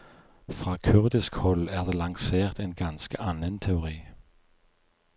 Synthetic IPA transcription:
fʁɑːkʰʉʁd̪ɪskhɔlæʁd̪eːlɑŋseːʁt̪ʰeːnɡ̥ɑnskəʔɑnənt̪ʰɛʊʁḭː

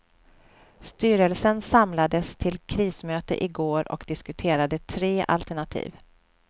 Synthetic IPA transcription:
st̪yːɾəlsənsamlad̪əst̪ʰɪlkʰɾiːsmøːt̪ə̰ʔɪɡoːɾɔ̰kd̪ɪskɵt̪ʰeːɾad̪ət̪ʰɾeːʔa̰lt̪æɳat̪ʰḭːv

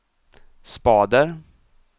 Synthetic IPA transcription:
spɑːd̪əɾ

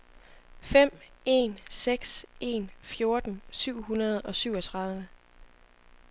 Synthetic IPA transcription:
fem̰e̝nseɡ̥se̝̰nfjo̝ɐd̥n̩syʊ̰ɦunɐð̞ˠɒ̽syʊ̰ɒ̽t͡sʰʁɑ̈ð̞ˠə

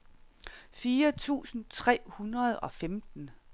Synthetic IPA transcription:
fiːɐt͡sʰṵːsn̩t͡sʰʁɛ̰ːhunʁɐð̞̩ˠɒ̽femd̥n̩

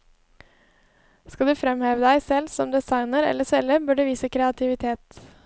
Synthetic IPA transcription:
skɑd̪ʉːfɾɛmheːʋəd̪æɪsɛlsɔmd̪ɛsɑɪnəɾɛ̰lːəsɛləɾbøːɖʉːʋiːsəkʰɾɛɑt̪ʰɪʋɪt̪ʰeːt̪

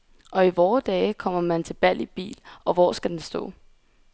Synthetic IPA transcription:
ʔɒ̽iʋɒːd̥ɛːkʰɒ̽m̰ɐmænt͡sʰe̝lb̥æl̰ib̥ḭːlɒ̽ʋɒ̰ːsɡ̥æd̥ensd̥ɔ̰̽ː

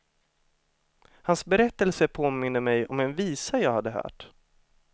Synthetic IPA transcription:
hansbɛɾɛt̪ːəlsəpʰoːmɪnd̪əmɛjɔ̰mɛnviːsajɑːɡhad̪ːəɦœ̰ːʈ

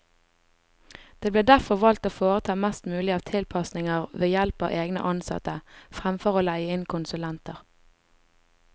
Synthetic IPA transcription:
d̪̥eːbleːd̪æʁfɔʁʋɑlt̪oːfoːʁət̪ʰɑːmɛst̪mʉːlɪɑːʋt̪ʰɪlpʰɑsnɪŋəʁʋeːjɛlpɑ̰ːʋʔeːɡnə̰ʔɑnsɑ̰t̪əfʁæmfɔʁoːlæɪəɪnkʰʊnsʉlɛnt̪əʁ

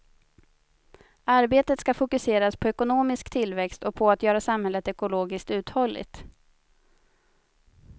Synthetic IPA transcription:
aɾbeːt̪ət̪skafʊkɵseːɾaspʰɔɛkʊnoːmɪskt̪ʰɪlvɛkst̪ɔpʰɔat̪jœːɾasamhɛlːət̪ɛkʊloːɡɪskt̪ʉ̟ːt̪hɔlːɪ̰t̪

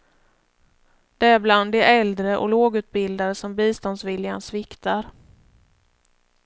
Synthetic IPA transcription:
d̪̥ɛæɾbland̪ɛʔɛld̪ɾəʔɔ̰loːɡʉ̟ːt̪̚bɪld̪aɾəsɔmbiːst̪ɔnd̪svɪljansvɪkt̪aɾ

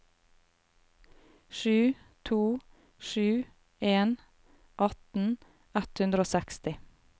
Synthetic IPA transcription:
ʃʉː | t̪ʰuː | ʃʉː | eːn | ʔɑt̪n̩ | ɛt̪hʉnd̪ɾoːsɛkst̪ɪ

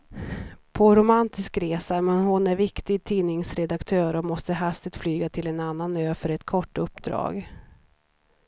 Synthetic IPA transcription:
pʰɔɾʊmant̪ʰɪskɾeːsamɛnhʊnæɾvɪkt̪ɪɡ̚t̪ʰiːnɪŋsɾɛd̪akt̪ʰøːɾɔmɔst̪əɦast̪ɪt̪flyːɡat̪ʰɪlɛnanːanøːfœɾɛt̪kʰɔʈːɵpːd̪ɾɑ̰ːɡ

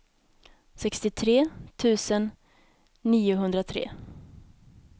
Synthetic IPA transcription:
sɛkst̪ɪt̪ʰɾeːt̪ʰʉ̟ːsənː | iːʊɦɵnd̪ɾat̪ʰɾḛː

